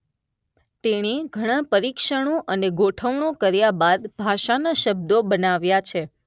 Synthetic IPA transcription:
t̪eɽ̃eɡʱəɽ̃ãpəɾikʃəɽ̃oʔəneɡoʈʰəʋɳ̃okəɾjabad̪bʱaʃanaʃəb̚d̪obənaʋjat͡ʃʰe

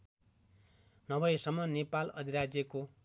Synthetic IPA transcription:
nʌbʌjesʌmːʌnepalʌ̰d̪ʱiɾad͡zjʌko

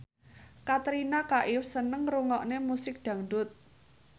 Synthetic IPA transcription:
kat̪ɾinakaʔɪfsənəŋruŋɔʔnemusɪk̚d̪̥ä̤ŋɖ̪ʊt̪̚

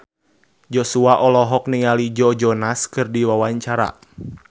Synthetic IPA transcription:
d͡ʒɔsuaʔɔlɔɦɔk̚niŋalid͡ʒɔd͡ʒɔnaskɨrdiwawaɲt͡ʃaɾa̰

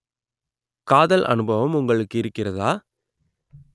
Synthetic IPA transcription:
kaːðɐlʔɐ̰nɯbɐʋɐmʊŋɡɐɭɯkːɪɾɯkːɪrɐðaː

